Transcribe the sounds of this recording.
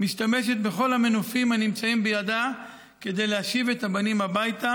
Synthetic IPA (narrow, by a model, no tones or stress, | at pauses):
miʃt̪ame̞ʃe̞t̪be̞χo̞lhame̞nofimhanimt͡saimbejad̪a | ke̞d̪e̞jleaʃivet̪abanimabajt̪a